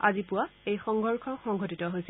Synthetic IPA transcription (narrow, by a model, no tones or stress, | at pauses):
a̰zipʊwaejxɔŋɡɔɹkʰɔxɔŋɡʱotitɔɦojs